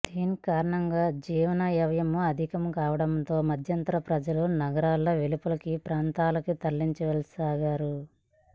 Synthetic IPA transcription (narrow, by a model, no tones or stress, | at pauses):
d̪̥iːnikaːɾɐɳɐŋɡaːd͡ʒiːʋɐnɐjɐʋɐjɐmuɐd̪ʱikɐmkaːʋɐɽɐmt̪o̞ːmɐd̪ʱjɐnt̪ɐɾɐpɾɐd͡ʒɐlunɐɡɐɾaːlːɐʋelupɐlɐkipɾaːnt̪aːlɐkut̪ɐlːiɲt͡ʃɐʋɛlɐsaːɡaːɾu